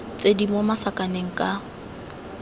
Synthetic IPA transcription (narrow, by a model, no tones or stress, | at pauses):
t͡sʼedimomasakʼaneŋ̩kʼa